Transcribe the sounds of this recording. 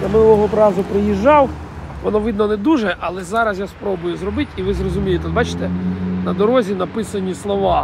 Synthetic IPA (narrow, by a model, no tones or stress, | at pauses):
jamɪnulˠɔɦɔpɾɑzʊpɾɪjiʒːɑw | ʋɔnɔʋɪd̪nɔnɛd̪uʒɛʔɐlˠɛzɑɾɐsjaspɾɔbʊjʊzɾɔbɪtʲiʋɪzrɔzʊmʲijet̪ɛbɑt͡ʃɪ̥t̪ɛnɐd̪ɔɾɔzʲinɐpɪsɐnʲislˠɔʋɑ